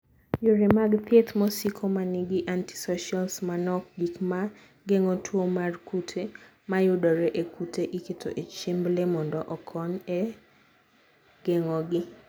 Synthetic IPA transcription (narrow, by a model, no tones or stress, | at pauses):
joɾemaɡpjet̪mɔsikʰomaniɡɪʔanti̥sɔʃialsmanɔk̚ɡikma | ɡeŋɔtʰwomarkutʰe | majʊdɔɾɛʔekutʰeʔiketʰo̰ʔet͡ʃimblemɔndɔʔɔkʰɔne | ɡ̥ɛŋɔɡɪ